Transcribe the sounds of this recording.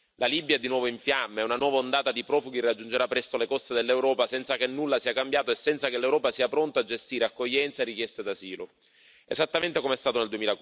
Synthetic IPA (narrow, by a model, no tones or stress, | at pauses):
lalibjaɛd̪inwɔːvoiɱfjamːeɛunanwɔːvaond̪aːt̪ad̪ipɾɔːfuɡiriad͡ʒːund͡ʒeɾapːɾɛst̪olekɔst̪ed̪elːewɾɔːpasɛnt̪sakenːulːasiːakambjaːt̪oesːɛnt̪sakelːewɾɔːpasiːapɾont̪oad͡ʒest̪iːɾeakːoʎːɛnt̪saerːik̟jɛst̪ed̪aziːlo̰ | ezat̪ːament̪ekomeɛst̪aːt̪oneld̪uemiːla